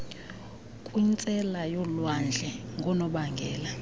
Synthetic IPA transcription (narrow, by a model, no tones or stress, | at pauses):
kʼwint͡sʼɛlajɔlwand͡ɮʱɛŋɡʱunɔɓaŋɡʱɛːla